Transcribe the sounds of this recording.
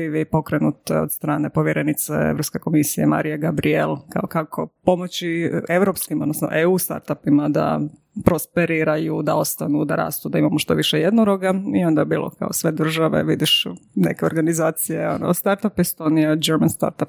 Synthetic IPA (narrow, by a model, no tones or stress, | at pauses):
iʋipo̞kɾenut̪ḛod̪st̪ɾaːnepoʋjeɾenit̪sḛḛʋɾo̞pske̞ko̞misijema̰ɾijeɡabɾielˠkaokakʰo̞po̞mot͡ɕieʋɾopskimo̞d̪nosno̰ʔeuːst̪a̰ɾt̪apimad̪a̰ | pɾo̞speɾiɾajud̪ao̞st̪anud̪aɾa̰ːst̪ud̪aimamoʃt̪o̞̰ʋiʃejed̪noɾoɡaio̞nd̪abiːlo̰ka̰osʋe̞d̪r̩ʒaʋḛʋid̪iʃne̞̰keo̞ɾɡanizaːt̪sijeo̰no̰st̪aɾt̪apist̪oniad͡ʒeɾmanst̪a̰ɾt̪ap